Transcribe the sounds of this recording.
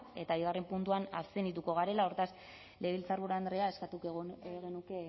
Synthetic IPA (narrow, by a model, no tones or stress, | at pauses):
e̞t̪aβiðare̞mpunt̪uana̰senit̪uko̞ɣ̞aɾe̞lao̞ɾt̪as | le̞βilt͡saɾɣuɾand̪ɾeae̞skat̪ukeɣenuke̞